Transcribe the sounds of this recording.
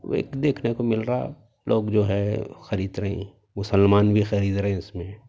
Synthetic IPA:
ḛːkd̪eːkʰnekomɪlɾaa̰ | lʔoːɡd͡ʒoːɦɛxɐɾiːd̪ɾɐɦḛ̃ | mʊsəlmaːnbʱixɐɾiːd̪ɾɐɦẽɪsmẽː

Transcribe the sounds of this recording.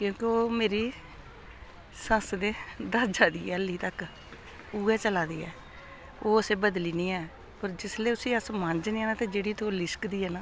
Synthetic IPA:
kjõːkeoːmeːɾiː | səsd̪eːd̪əd͡ʒaːd̪ḭːɛːəlːiːt̪ək | uːɛːt͡ʃəlaːd̪iːɛ̰ː | oːəsẽːbəd̪liːniːɛː | pəɾd͡ʒɪsleːʊsĩːəsmə̃ɲd͡ʒnĩːɛːnãːt̪eːd͡ʒeːɽiːt̪oːlɪskd̪iːɦɛːnãː

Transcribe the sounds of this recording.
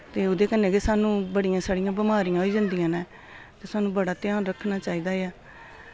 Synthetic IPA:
t̪eːʊd̪eːkənːẽːɡesaːnũːbəɽijãːsaːɽɪjãːbɪmaːɾijãːoiːd͡ʒãːnd̪ijãːnɛ̃ː | t̪eːsaːnũːbəɽaːt̪ɪjãːnɾəkʰnaːt͡ʃaːiːd̪aːeaː

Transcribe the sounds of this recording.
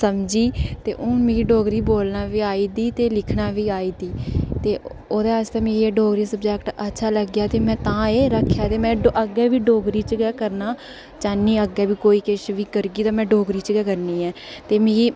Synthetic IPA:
səmd͡ʒiːt̪ḛːʔʊnmĩːɡiːɖoːɡɾiːboːlnaːʋiːaːiːd̪iːt̪eːlɪkʰnaːʋiːaːiːd̪iːt̪eː | oːd̪eːəd͡ʒt̪ãːmĩːɡieɖoːɡɾiːsəbd͡ʒɛːkʈətːʃʰaːləɡjaːt̪eːmɛ̃ːt̪ãːeːɾəkʰːjaːt̪eːmɛ̃ːʔəɡɛːʋiːɖoːɡɾiːt͡ʃɡɛːkəɾnaː | t͡ʃaːniːəɡɛːbiːkoːiːkeʃʋiːkəɾɡiːt̪ãːmɛ̃ːɖoːɡɾiːt͡ʃɡɛːkəɾniːɛːt̪eːmĩːɡiː

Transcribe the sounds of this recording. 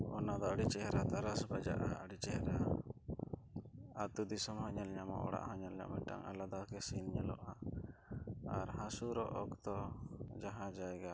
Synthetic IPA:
ɔnad̪ɔaɽit͡ʃɛɦɾat̪aɾasbad͡ʒa̰ʔaʔaɽit͡ʃɛhɾa | at̪ud̪isɔmhɔɲɔlɲamɔ̰ʔɔ̰ɽa̰ʔhɔɲɔlɲa̰ʔmɛʈa̰ŋa̰lad̪akɛsinɲɛlɔ̰ʔa | aɾhãsuɾɔʔɔkt̪ɔd͡ʒaɦãd͡ʒajɡa

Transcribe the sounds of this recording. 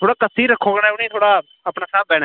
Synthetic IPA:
tʰoːɽaːkəsiːɾːəkʰːoːɡənaːʊniːt̪ʰoːɽaː | əpnaːsaːb̚bɛːna

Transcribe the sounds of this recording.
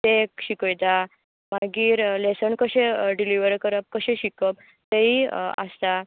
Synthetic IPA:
t̪ekɕikəjd̪a | maɡiːɾlesənkəɕeɖiliʋəɾkəɾəp̚kəɕẽɕikəp̚ | t̪eia̰st̪a

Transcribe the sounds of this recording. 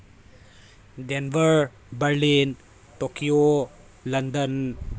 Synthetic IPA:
dɛnvəɹ | bəɹlin | tokio | landən

